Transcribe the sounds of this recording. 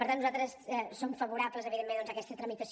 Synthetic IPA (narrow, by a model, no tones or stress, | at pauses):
pəɾt̪annuzat̪ɾəsɛsomfəβuɾabləzəβiðemːend̪ɔnzəkɛst̪ət̪ɾəmit̪əs